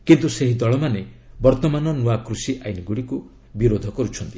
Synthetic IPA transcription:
kint̪useɦid̪ɔɭɔmanebɔɾt̪ɔmanɔnuakɾusiʔajniɡuɽiku | biɾod̪ʱɔkɔɾut͡ʃʰɔnt̪i

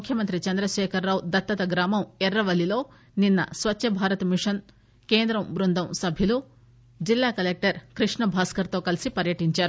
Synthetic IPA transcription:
mukʰjɐmɐnt̪ɾit͡ʃɐnd̪ɾɐʃɛːkʰɐɾːaːwd̪ɐt̪ːɐt̪ɐɡɾaːmɐmɛɾːɐʋɐlːilo̞ː | ninːɐ̰sʋɐtːʃɐbʱaːɾɐt̪ɐmiʂɐn | ke̞ːnd̪ɾɐmʋɾund̪ʱɐmsɐbʱjilu | d͡ʒilːaːkɐlek̚ʈɐɾkɾiʂɳɐbʱaːskɐɾt̪o̞ːkɐlisipɐɾjɐʈiɲt͡ʃaːɾu

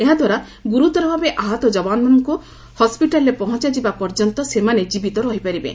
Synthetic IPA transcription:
eɦad̪ʱwaɾa | ɡuɾut̪ɔɾebʱabeʔaɦɔt̪ɔd͡ʒɔbanɔmanɔŋku | hɔspiʈalɾepɔɦɔ̃t͡ʃad͡ʒibapɔɾd͡ʒɔnt̪ɔsemaned͡ʒibit̪ɔɾɔɦipaɾibḛ

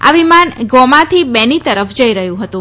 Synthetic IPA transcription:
a̰ʋimanɡɔmãt̪ʰibɛnit̪əɾəfd͡ʒəiɾəɦjũɦət̪ũ

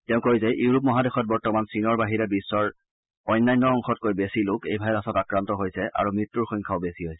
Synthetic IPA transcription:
tɛʊ̃koɹizɛʔjuɹup̬mɔɦadexɔt̚bɔɹtɔmansinɔɹbaɦiɹɛbisːɔɹ | ɔjnːajnːɔɔŋxɔt̚kojbesilʊkḛjbʱabɛasɔtakɹantɔɦojsɛʔa̰ɹumɹitːuɹxɔjŋkʰaʊbesiɦɔj

